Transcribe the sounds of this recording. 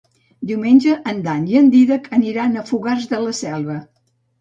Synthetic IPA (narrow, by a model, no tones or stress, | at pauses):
d̪iwmenʲd͡ʒəʔənd̪aniənd̪iðəkəniɾanəfuɣarzðələsɛlˠβə